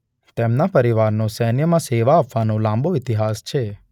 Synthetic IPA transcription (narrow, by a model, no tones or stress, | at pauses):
t̪emnapəɾiʋaɾnõsɛnjəmãseʋaːpʰʋanũlãmboɪt̪iɦast͡ʃʰe